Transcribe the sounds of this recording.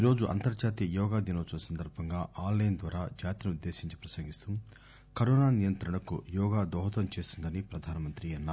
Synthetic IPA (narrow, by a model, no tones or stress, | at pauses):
iːɾo̞ːd͡ʒuʔɐ̰nt̪ɐɾd͡ʒaːt̪ijɐjɔːɡaːd̪inoːsunɐsɐnd̪ɐɾbʱɐŋɡaːʔaːlːɐjɐnd̪ʋaːɾaːd͡ʒaːt̪inuud̪ːe̞ːsiɲt͡ʃi̥pɾɐsɐŋɡist̪um | kɐɾɔːnaːnijɐnt̪ɾɐɳɐkṵjɔːɡaːd̪ɔːɦɐt̪ɐmt͡ʃe̞ːst̪und̪ɐnipɾɐd̪ʱaːnɐmɐnt̪ɾiɐnːa